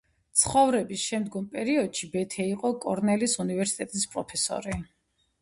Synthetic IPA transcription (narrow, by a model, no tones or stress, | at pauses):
t̪sʰχɔvɾɛbisʃɛmd̪ɡɔmpʼɛɾiɔd̪̥ʃibɛt̪ʰɛiqʼɔkʼɔɾnɛlisunivɛɾsi̥t̪ʼɛt̪ʼispʼɾɔpʰɛsɔ̰ɾi